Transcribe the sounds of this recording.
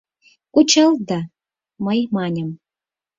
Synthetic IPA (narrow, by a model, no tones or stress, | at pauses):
kut͡ɕɑlˠd̪ɑ | məjmɑnʲə̆m